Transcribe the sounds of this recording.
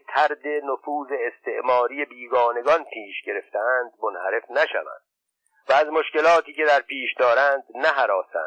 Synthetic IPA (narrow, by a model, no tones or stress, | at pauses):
t̪ʰæɾd̪e̞nofuːze̞ːst̪eʔmɒːɾiːjebiːɡɒːne̞ɡɒnpʰiːʃɡe̞ɾe̞ft̪eænd̪̚mo̞nhæɾe̞fnæʃæ̰væ̰nd̪̥ | væːzmo̞ʃce̞lɒːt̪iːce̞d̪æɾpʰiːʃd̪ɒːɾænd̪næɦæɾɒːsæ̰n̥